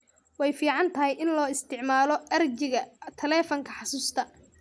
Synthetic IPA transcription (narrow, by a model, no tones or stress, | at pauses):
wɑjfiːʕɑnt̪ʰɐɦɛjʔɪnlɔːɪst̪ʰɪʕmaːlɔɐrd͡ʒɪɣɐt̪ʰɐlɛːfɐŋkʰɐħɑsuːst̪ʰɐ